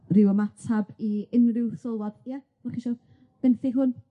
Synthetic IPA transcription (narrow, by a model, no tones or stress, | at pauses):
rɪwəmatʰabiɪnrɪwθʊlˠwɔd̥jɛ̥ | aχiʃɔ | b̥ɛnθiɦʊn